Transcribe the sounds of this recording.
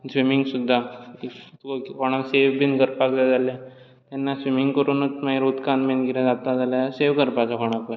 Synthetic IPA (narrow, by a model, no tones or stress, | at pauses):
sʋimiŋɡsud̪ʱːa | kɔɽ̃akseʋbinkəɾpaklad͡zalja | t̪ɛnːasʋimiŋɡkəɾunət͡smaiɾut̪kanmẽnɡiɾad͡zat̪ad͡zaljaseʋkəɾpat͡sakɔɽ̃ãko